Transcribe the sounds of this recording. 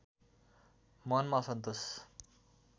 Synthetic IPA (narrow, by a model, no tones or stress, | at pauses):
mʌnmasʌnt̪os